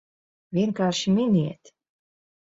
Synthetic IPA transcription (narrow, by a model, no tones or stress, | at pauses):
vʲiɛnkaːɾʃiminiɛt̪